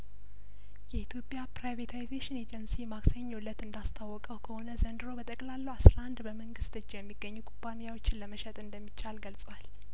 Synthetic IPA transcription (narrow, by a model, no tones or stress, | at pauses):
jɛit̪ʰjo̞pʼjapɾajvet̪ʰajzeʃɪned͡ʒənsimaksəɲːolːət̪ɨnd̪ast̪ʰawːɔkʼəwkʰəho̞nəzənd̪ɨɾo̞bət̪ʼəkʼlalːəwasɾaʔand̪bəməŋɡɨst̪ɨt͡ʃːjɛmːiɡːəɲːukʼupʼːanijawo̞t͡ʃːɪnləməʃɛt̪ʼɨnd̪əmːit͡ʃːalɡəlsʼwal